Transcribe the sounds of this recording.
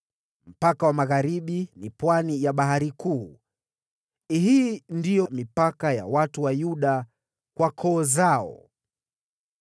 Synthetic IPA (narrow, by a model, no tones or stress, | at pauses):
m̩pakawamaɣaɾiɓinipwanijaɓaɦaɾikuː | ɦiːndijɔmipakaja̰watuwajuɗa | kwakʰɔːzaɔ̰